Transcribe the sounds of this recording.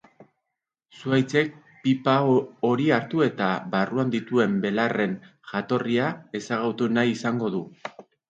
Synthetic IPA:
suajt͡se̞k̚ | pipao̞ɾiaɾt̪ue̞t̪aβaruand̪it̪ue̞mbe̞lare̞n | ʝat̪o̞riae̞saɣawt̪unajisaŋɡo̞ðu

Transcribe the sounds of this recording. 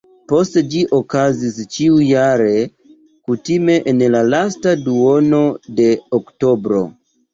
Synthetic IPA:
po̞std͡ʒiʔokazist͡ʃiujaɾe̞ | kutime̞ʔenlalastaduo̞no̞de̞okto̞bɾo̞̰

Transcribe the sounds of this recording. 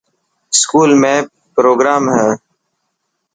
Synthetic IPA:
skuːlmẽː | pɾoːɡɾaːmɦɛ̃ː

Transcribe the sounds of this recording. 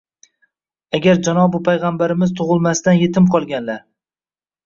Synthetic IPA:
aɡʲaɾd͡ʒanɒbʊpʰajʁɑmbaɾɪmɪzt̪ʰʊʁɨlˠmast̪anje̞t̪ʰɪmqʰɒlˠɡʲanlaɾ

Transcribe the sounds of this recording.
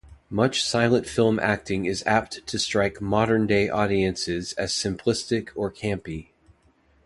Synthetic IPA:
mʌt͡ʃsaɪlˠə̃ntfɪlˠmʔæ̰k̚tɪ̃ŋɪzæp̚ttʰɨstɹ̥aɪkmɑɾə̃˞ndeɪʔɔɾiɨ̃nsɪzɨz̥sɨ̃mpʰl̥ɪstɪkʰə˞kʰæ̃mpi

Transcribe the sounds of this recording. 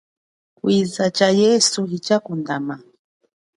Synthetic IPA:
kwizat͡ʃajɛsuhit͡ʃakundama

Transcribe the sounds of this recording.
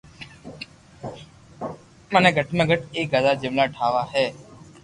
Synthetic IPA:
məneːɡʱəʈʰmə̃ɡəʈeːkɡad̪aːd͡ʒeʋlaːʈʰaːʋaːɦeː

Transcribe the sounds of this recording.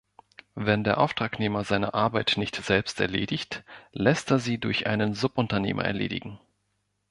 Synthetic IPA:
vɛndeːɐʔaʊftʁ̥aːkneːmɐzaɪnɐ̰ʔaɐbaɪtnɪçtz̥ɛlpstɛ̰ɐlḛːdɪçtlɛsteːɐziːdʊɐçʔa̰ɪnənzʊpʔʊntɐnḛːmɐ̰ʔɛ̰ɐlḛːdɪ̰ɡŋ̩

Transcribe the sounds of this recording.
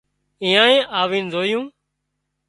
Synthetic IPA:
ĩːãːẽːʔaːʋĩːnzoːjũː

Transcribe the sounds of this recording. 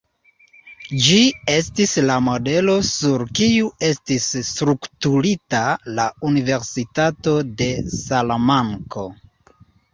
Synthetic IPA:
d͡ʒie̞stislamo̞de̞lo̞suɾkiue̞stisːtɾuktuɾitalaunive̞ɾsitato̞de̞salamaŋko̞

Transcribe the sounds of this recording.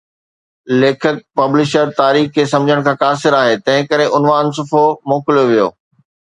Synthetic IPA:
leːkʰək̚pɐblɪʃəɾt̪aːɾiːxkʰesɐ̃md͡ʑʱəɽ̃kʰãːkaːsɪɾaːɦeːt̪ɐ̃ɦɪ̃kɐɾeʔʊnʋaːns̬ʊfʰomoːkɪljoʋijo̰ː

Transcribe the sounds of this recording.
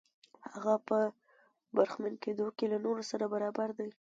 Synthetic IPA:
haɣapə | baɾxmanked̪okelanoɾosaɾabaɾɑbaɾd̪aj

